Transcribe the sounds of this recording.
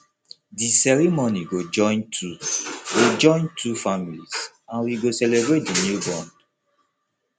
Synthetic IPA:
disɛɹimoniɡod͡ʒɔ̃ɪ̃ntʰuɡod͡ʒɔ̃j̃ntʰufamilis | ãnwiɡosɛlebɹet̚dinjubɔ̃nd

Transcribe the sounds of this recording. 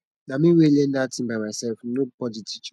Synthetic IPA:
nãmĩwelendatʰĩmbamaɪsɛlfnopʰɔditʰit͡ʃ

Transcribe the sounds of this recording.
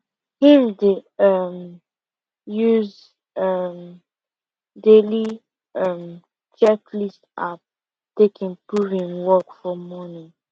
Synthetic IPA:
hĩmdeʌm | juz | ʌm | deli | ʌm | t͡ʃɛklistap̚ | tekĩnpuvĩnwɔkfɔmɔnĩŋ

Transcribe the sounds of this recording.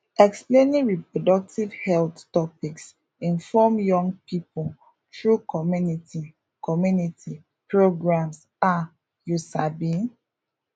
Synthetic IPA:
ɛksplẽnĩŋɹipɹodɔk̚tivhɛlttɔpiks | ĩnfɔmjɔ̃ŋɡpipo | tɹukʰɔmjunitʰi | kɔmjunitʰi | pɹoɡɹãms | a | jusabĩn

